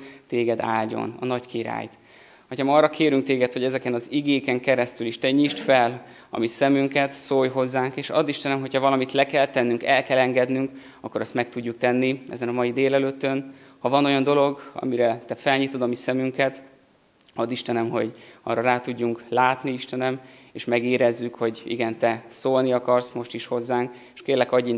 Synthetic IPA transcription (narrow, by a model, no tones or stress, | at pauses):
t̪eːɡɛd̪a̰ːlɟo̞̰nɒ̰nɒckiɾa̰ːjt̪ | hɒchɒmɒːrɒkʰeːɾyŋkt̪eːɡɛt̪ho̞ɟɛzɛkɛnɒziɡeːkɛŋkɛɾɛst̪yliʃt̪ɛɲiʃt̪fɛl | ɒ̰misɛmyŋkɛt̪soːjɦo̞zːaːŋkeːʃɒ̰d̪ːiʃt̪ɛnɛmɦo̞cʰhɒvɒlɒmit̪lɛkɛlt̪ɛnːyŋkɛlkɛlɛŋɡɛd̪nyŋk | ɒkːoɾɛst̪mɛk̚t̪uɟːuk̚t̪ɛnːiʔɛ̰zɛnɒmɒjid̪eːlɛløːt̪ːønhɒvɒno̞jɒnd̪o̞lo̞ɡɒ̰miɾɛt̪ɛfɛlɲit̪o̞d̪ɒmisɛmyŋkɛt̪ | ɒd̪ːiʃt̪ɛnɛmho̞̰ɟɒ̰rɒɾaːt̪uɟːuŋklaːt̪niiʃt̪ɛnɛmeːʃmɛɡeːɾɛzːykho̞ɟḭɡɛnt̪ɛsoːlniɒkɒrsmo̞ʃt̪iʃho̞zːaːŋk | eʃkeːrlɛkɒɟːi